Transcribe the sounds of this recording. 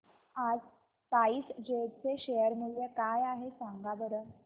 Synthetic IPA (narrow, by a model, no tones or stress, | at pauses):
ad͡z | t̪aiːsd͡ʑeʈ̪̚t͡seɕejəɾmiɭːekajaɦesaŋɡabəɾə